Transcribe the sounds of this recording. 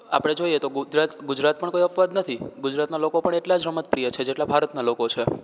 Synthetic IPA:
a̰pɽ̃ed͡ʒoiet̪oɡud͡ʒɾat̪ɡud͡ʒɾat̪̚pəɳkoiəfʋad̪nət̪ʰiɡud͡ʒɾat̪nalokopəɳeʈlad͡ʒɾəmət̪pɾijət͡ʃʰed͡ʒeʈlabʱaɾət̪nalokot͡ʃʰe

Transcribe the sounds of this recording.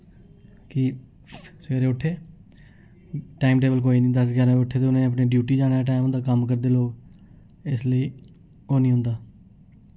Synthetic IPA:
ki | seːɾeːʊʈʰːeː | ʈaːimʈeːbəlk̬oːiːnĩːd̪əsɡʱaːɾãːbiʊʈʰːeːt̪eːʊnãːneəp̬neːɖjuːʈiːd͡ʒaːɽ̃ʈ̬aːimɦʊ̃ːnd̪aːkəmkəɾd̪eːloːɡ | ɪsləiː | oːnĩːɦʊ̃nd̪aː

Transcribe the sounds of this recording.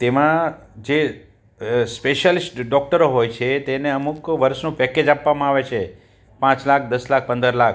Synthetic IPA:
t̪emãd͡ʒe | speʃəlisʈɖɔk̚ʈəɾoɦojt͡ʃʰet̪eneəmukʋəɾʃnũpɛked͡ʒapʋamãaʋet͡ʃʰe | pãt͡ʃlakʰd̪əslak̚ʰpənd̪əɾlakʰ

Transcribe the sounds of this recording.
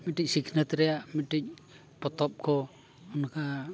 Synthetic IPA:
miʈic̚siknat̪ɾɛjaʔmiʈic̚ | pɔt̪ɔp̚kʰɔ | ɔnka

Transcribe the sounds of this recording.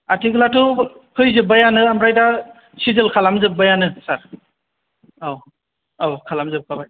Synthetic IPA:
atʰiɡlatʰɯkʰɯjzɯbajanɯamɾajda | sizɯlkʰalamzɯp̚bajanɯsaɾ | aw | awkʰalamzɯp̚kʰabaj

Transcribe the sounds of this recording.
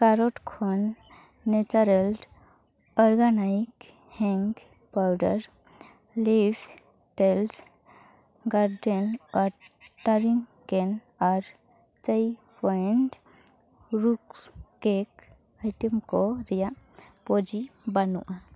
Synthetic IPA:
kaɾoʈkʰonː | et͡ʃaɾel | ɔɾɡanaik | hɛ̃ŋɡ | pawɖə̰ɾ | lib | ʈels | ɡaɾɖenɔɾʈəɾiŋ | ken | ɔɾ | t͡ʃəj | pɔiɳʈ | ɾukskek | ajʈəmkoɾija | pod͡ʒibanṵʔã

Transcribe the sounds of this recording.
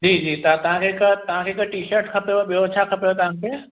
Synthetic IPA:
d͡ʒiːd͡ʒiːt̪ɐãt̪ɐɦãkʰekət̪ɐɦãkʰekəʈiːʃəɾʈkʰɐpjoɓijot͡ʃʰakʰɐpejot̪ɐɦãkʰe

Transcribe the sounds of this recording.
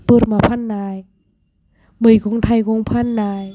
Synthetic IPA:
pɯt̪̚maːpʰanːaːj | bɯjkʰoŋt̪ʰajkoŋpʰanːaːj

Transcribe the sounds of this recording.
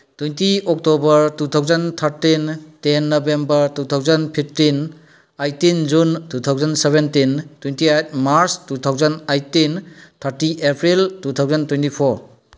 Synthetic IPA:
twujntiɔk̚tɔbɐɾtutʰawzɐntʰaɾtintenːɔbembɐɾtutʰawzɐnpʰip̚tin | ajtind͡ʒuntut̪ʰawzɐnseβentintwentiat̚ʰmaɾstutʰawzɐnajtint̪ʰaɾtiʔepʰɾiltutʰawzɐntuejntipʰɔɾ

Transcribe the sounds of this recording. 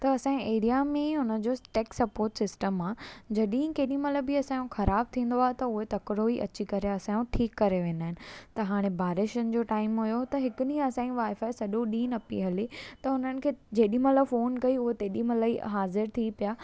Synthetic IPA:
t̪ɐɐsãːeːɾijamẽɦʊnə̆d͡ʑoːʈeːksɐpoːɾʈsɪsʈəmaːd͡ʑɐɗĩkeːɗĩmɐləbiɐsãːjũxɐɾaːb̚t̪ʰĩːn̆d̪oaːɦet̪ɐʊɦet̪ɐkɾoiʔɐ̰t͡ɕikɐɾeɐsãjũʈʰiːkːɐɾeʋẽːnd̪aːɦɪnɪ̆t̪ɐɦaːɽ̃ebaːɾɪʃənɪ̆d͡ʑoːʈaːɪmɦʊjot̪ɐɦɪkʊɗĩɐsãːũʋaːɪfaːɪsɐɗõɗĩːnɐpḭɦɐlit̪ɐʊn̤ənɪ̆kʰeːd͡ʑeːɗĩmɐləfoːnkɐiʊɦet̪eːɗĩmɐlaiɦaːzɪɾt̪ʰipijaː

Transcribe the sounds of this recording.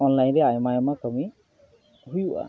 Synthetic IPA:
ɔnlajnɹɛajmajɔmakɔmi | hujʊʔa̰

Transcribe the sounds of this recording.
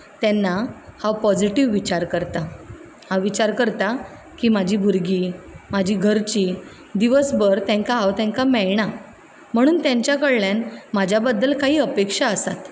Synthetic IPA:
t̪ɛnːahawpɔd͡ʑiʈiʋːit͡ɕaɾkəɾt̪a | hãwʋit͡ɕaɾkəɾt̪a | kiːmad͡ʑʱiːbʱuɾɡiːmad͡ʑʱiːɡʱəɾt͡ɕi | d̪iʋəsbəɾt̪ɛ̃ŋkaɦawt̪ɛ̃ŋkamɛɭɳ̃a | m̤əɽ̃uːnt̪jãɲt͡ɕjakəɭɭjanmad͡ʑʱjabəd̪ːəlkaɦiːəpekʂaəsat̪

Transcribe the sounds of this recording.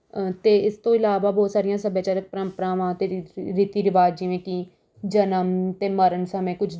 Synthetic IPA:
t̪eːɪst̪õːɪlaːʋaːbɔːt̪saːɾɪjãːsəbeːt͡ʃəɾək̚pɾəmpəɾãːʋãːt̪eːɾiːt̪iːɾɪʋaːd͡ʒd͡ʒiʋẽːkiː | d͡ʒənəmt̪eːməɾənsəmẽːkʊt͡ʃʰ

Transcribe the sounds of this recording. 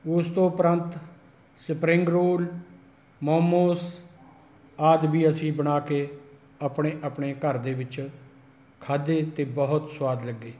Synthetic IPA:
ʊst̪õːpɾənt̪ | səpɾɪŋɡɾoːl | moːmoːs | aːd̪biːəsĩːbəɽaːkeː | aːpɳeːʔapɳeːkəɾd̪eːʋɪt͡ʃ | kʰaːd̪eːt̪eːbəɦʊt̪swaːd̪ləɡːeː

